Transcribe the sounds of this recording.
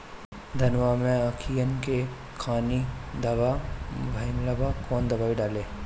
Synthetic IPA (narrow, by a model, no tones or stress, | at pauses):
d̪ʱɐnʋamẽakʰijənke | kʰaːnid̪ɐbabʱəɪnlɐbakɔːnd̪ɐbaːiɖaːleː